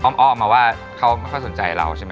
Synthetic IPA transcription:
ʔɔː˧mʔɔː˧˨mːaː˧˩waː˥˩ | kʰa˦˥wa˥˩jkʰɔ˥˩so˩˦nt͡ɕa˧jɾa̰˧wt͡ɕʰa˥˩m˦

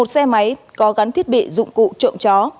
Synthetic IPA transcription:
o˨˩t̚sɛ˧ma˨˦jkɔ˨˦ɣa˨˦nt̪ʰi˦˥ət̚ɓḭ˧˨zʊ̰˧˨ŋ͡mkṵ˧˨t͡ɕə̰˧˨ŋ͡mt͡ɕɔ˨˦

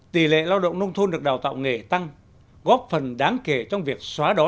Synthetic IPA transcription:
t̪i˨˩lḛ˧˨laː˧wɗə̰˧˨wŋ͡mnə˧wŋ͡mt̪ʰo˧nɗɨ˨˩ək̚ɗaː˨˩wt̪a̰ː˧˨wŋe˧˩t̪a˧ŋ | ɣɔ˦˥p̚fə˨˩nɗaː˨˦ŋke˧˩t͡ɕɔ˧wŋ͡mvi˨˩ək̚swaː˨˦ɗɔ˨˦

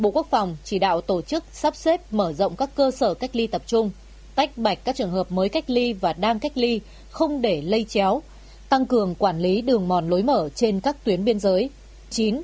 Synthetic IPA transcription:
ɓo̰˧˨ku˦˥ək̚fa˨˩wŋ͡mt͡ɕi˧˩ɗa̰ː˧˨wt̪o˧˩t͡ɕɨ˦˥k̚saː˦˥p̚se˦˥p̚məː˧˩zə̰˧˨wŋ͡mkaː˦˥kːəː˧səː˧˩ka˦˥jk̟̚li˧t̪ə˨˩p̚t͡ɕʊ˧ŋ͡m | t̪a˦˥jk̟̚ɓa˨˩jk̟̚kaː˦˥k̚t͡ɕɨ˨˩əŋhəː˨˩p̚məː˨˦jka˦˥jk̟̚li˧vaː˨˩ɗaː˧ŋka˦˥jk̚li˧ | xə˧wŋ͡mɗe˧˩lə˧jt͡ɕɛ˨˦w | t̪a˧ŋkɨ˨˩əŋkwaː˧˩nli˨˦ɗɨ˨˩əŋmɔ˨˩nlo˨˦jməː˧˩t͡ɕe˧nkaː˦˥k̚t̪wi˨˦ənɓi˧ənzəː˨˦j | t͡ɕi˨˦n

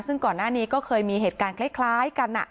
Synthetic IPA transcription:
sɯ˥˩ŋkɔː˨˩nːaː˥˩niː˦˥kɔː˥˩kʰɤː˧jmiː˧ɦeː˨˩t̪̚kaː˧nkʰla˦˥˩kʰlaː˦˥jka˧nʔa̰˨˩

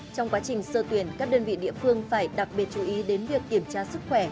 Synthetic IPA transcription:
t͡ɕɔ˧wŋ͡mkwaː˨˦t͡ɕï˨˩ŋ̟səː˧t̪wi˨˩ənkaː˦˥k̚ɗəː˧nvḭ˧˨ɗḭ˧˨əfɨ˧əŋfaː˧˩jɗa˨˩k̚ɓi˨˩ət̚t͡ɕu˨˧˩ʔi˨˦ɗe˨˦nvi˨˩ək̚ki˧˩əmt͡ɕaː˧sɨ˦˥k̚xwɛ˧˩

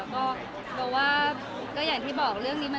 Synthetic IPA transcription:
ɛ˦˥kɔː˥˩ | bɛː˨˩waː˥˩ | kɔː˥˩jaː˨˩ŋt̪ʰiː˥˩bɔː˨˩k̚ɾɯ˥˩əŋniː˦˥ma˧

